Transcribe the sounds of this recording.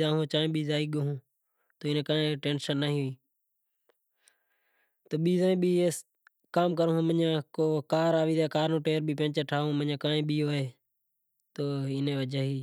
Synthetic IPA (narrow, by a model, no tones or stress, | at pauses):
aːɦõːt͡ʃãːẽːɓiːzaːiːɠoɦũː | t̪oːɪnẽːkaːẽːʈẽːnʃənːaːɦiːɦiː | t̪oːɓiːzãːĩːɓiːe | kaːmk̬əɾõːmənãːkoːkaːɾaːʋiːd̪aːkaːɾnõːʈeːɾbʱiːpẽːt͡ʃəʈʰaːõːməɲãːkãːẽːɓiːoːɦeː | t̪oːɪnẽːʋəd͡ʒəɦiː